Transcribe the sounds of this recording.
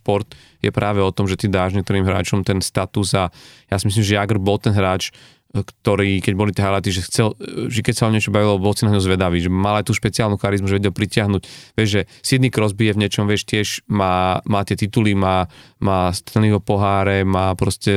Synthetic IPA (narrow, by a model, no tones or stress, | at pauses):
pɔɾt̪ | jɛ̰pɾʔaːʋɛɔt̪ɔmʒɛt̪id̪aːʒɲɛk̚t̪ɔɾiːmɦɾa̰ːt͡ʃɔmt̪ɛnst̪at̪uzajasimislimʒɛjaɡr̩bɔlt̪ɛnɦɾaːt͡ʃ | kt̪ɔɾiːkɛɟbɔlit̪ɛɦalat̪iʒɛxt͡sɛlʒɛkɛcsaɔɲɪɛt͡ʃɔbaʋilɔbɔlsinaɦɲɔʊzʋɛd̪aʋiːʒɛmalajt̪uːʃpɛt͡siaːlnuxaɾizmuʒɛʋɛɟɛlpɾicɪaɦnucʋɪɛʒʒɛsid̪niːkɾɔzbijɛvɲɛt͡ʃɔmʋɪɛʃt̪ɪɛʒmaːmaːt̪ɪɛt̪it̪ulimaːmaːst̪ɛnliʋɔpɔɦaːɾɛmaːpɾɔscɛ